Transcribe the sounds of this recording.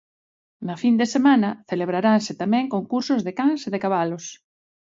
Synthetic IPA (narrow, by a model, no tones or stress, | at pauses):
nafind̪esemãnɐθeleβ̞ɾaɾansɪt̪amɛ̃ŋkoŋkuɾsʊzðekaŋseðekaβ̞alos